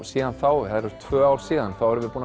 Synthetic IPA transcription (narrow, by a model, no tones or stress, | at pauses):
siːðanθawhɛðɛɾʏɾ̥t̪ʰvœːawɾ̥siːðanθawhɛɾʏmvɪpuːn